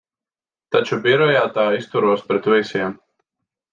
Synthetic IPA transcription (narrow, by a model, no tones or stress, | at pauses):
t̪at͡ʃubiɾɔjaːt̪aːist̪uɾuɔspɾɛt̪visʲiɛm